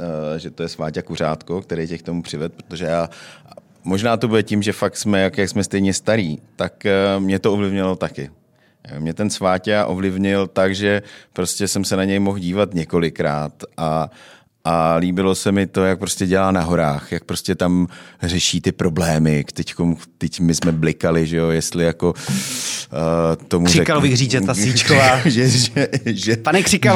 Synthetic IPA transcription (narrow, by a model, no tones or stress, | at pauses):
ʒɛt̪o̞jɛsvaːcakur̝aːt̪kok̚t̪ɛɾɛjcɛkt̪o̞mupr̥ɪvɛt̪̚pɾot̪o̞ʒɛjaː | mo̞ʒnaːt̪o̞budɛcɪmʒɛfak̚t̪smɛjakjaksmɛst̪ɛjɲɛst̪aɾiːt̪akmɲɛt̪oʔovlɪvɲɪalot̪akɪ | jo̰mɲɛt̪ɛnsvaːcaʔo̞vlɪvɲɪlt̪aɡʒɛpɾo̞scʲɛsɛmsɛnaɲɛjmo̞xɟiːvat̪ɲɛko̞lɪkɾaːt̪ʔa | ʔaliːbɪlo̞sɛmɪt̪o̞jak̚pɾo̞scɛɟɛlaːnaɦo̞ɾaːxjak̚pɾo̞scɛt̪amrɛʃiːt̪ɪpɾo̞blɛːmɪkt̪ɛckomt̪ɛcmɪsmɛblɪkalɪʒɛjo̞jɛst̪lɪjako̞ | t̪omuɪɛkalobɪɣriːd͡ʒɛt̪asit͡ʃkovaːʒɛʒɛʒɛpanɛkr̥ɪka